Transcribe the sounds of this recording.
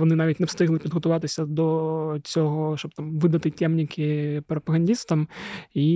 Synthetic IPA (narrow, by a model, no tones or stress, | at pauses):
ʋɔnɨnaʋʲitʲnɛfst̪ɪɣlˠɨpʲid̪ɣɔt̪ʊʋɑt̪ɪsʲɐd̪ɔt͡sʲɔɦɔʃɔbt̪amʋɨd̪ɐt̪ɨtʲɛmnʲikʲʰɪpɾɔpɐɣɐnʲdʲist̪ɐmi